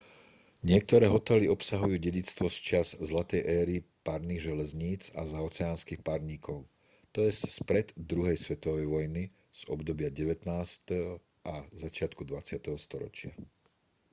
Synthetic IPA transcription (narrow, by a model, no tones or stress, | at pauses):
ɲɪɛk̚t̪ɔɾɛːɦɔt̪ɛliɔpsaɦujuːɟɛɟit͡st̪ʋɔst͡ʃazzlat̪ɛjʔɛːɾipaɾniːɣʒɛlɛzɲiːt͡sa̰zaɔt͡sɛaːnskiːxpaɾɲiːkʰɔʊ | t̪ɔjɛsspɾɛd̪d̪ɾuɦɛjsʋɛt̪ɔʋɛjʋɔjni | z̥ɔ̰bd̪ɔbɪaɟɛʋɛt̪naːst̪ɛɦɔ | ʔazat͡ʃɪat̪kud̪ʋat͡sɪat̪ɛɦɔst̪ɔɾɔ̰t͡ʃɪa̰